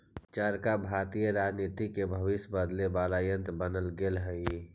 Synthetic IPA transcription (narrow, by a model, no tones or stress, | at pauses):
t͡ʃəɾkabʱaːɾt̪ijəɾaːd͡ʒniːt̪ikebʱəʋɪʃjəbəd̪lebaːlaːjə̃nt̪bənəlɡelɦəi